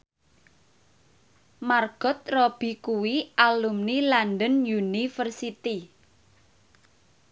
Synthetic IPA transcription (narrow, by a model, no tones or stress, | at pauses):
marɡ̥ɔ̤t̪̚rɔb̥i̤kuwiʔalumnilandənjunifərsit̪i